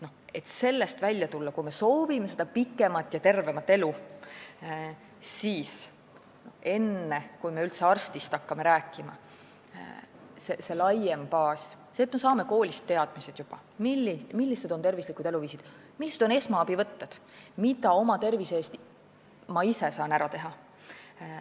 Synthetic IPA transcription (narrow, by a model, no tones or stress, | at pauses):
no̞e̞t̪se̞lːe̞st̪vælʲjɑt̪ulːɑkujme̞so̞ːvime̞se̞d̪ɑpikːˑe̞mɑt̪ːjɑt̪e̞rve̞mɑt̪ːe̞lu | siːs | noe̞nːe̞kujme̞ylt̪se̞ɑrst̪ist̪ɑkːɑme̞ɾæːkːˑimɑ̰ | sese̞lɑje̞mpɑːsset̪ːˑme̞sɑːme̞ko̞ːlʲist̪ːe̞ɑd̪̥mised̪̥jub̥ɑ̰ | milːimilːise̞d̪one̞rvislikud̪e̞luviːsid̪̥ | milːised̥̪o̞ne̞smɑɑb̥ivɤ̞t̪ːed̪̥mid̪ɑo̞mɑt̪e̞rvise̞ːst̪ | mɑise̞sɑːnæɾɑt̪e̞ɦɑ